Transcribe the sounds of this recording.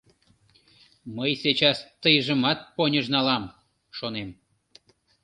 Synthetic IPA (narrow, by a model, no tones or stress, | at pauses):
məjset͡ɕɑst̪əjʒəmɑt̪̚ponʲəʒnɑlɑm | ʃonem